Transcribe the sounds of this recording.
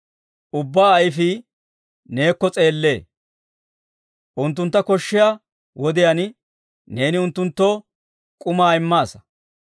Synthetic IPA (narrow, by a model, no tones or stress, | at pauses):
ʔʊbːaːjfi | ne̞ːkːɔt͡sʼe̞ːlːe̞ː | ʔʊnt̪̬ːʊnt̪ːɐkɔʃːɪjaː | wɔd̪ɪjan | ne̞ːnɪʊnt̪ːʊnt̪ːo | kʼʊmaːɪmːaːsɐ̥